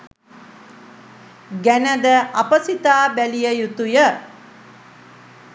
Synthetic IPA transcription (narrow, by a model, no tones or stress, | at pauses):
ɡænəd̪əʔapəsit̪aːbælijəjut̪ujə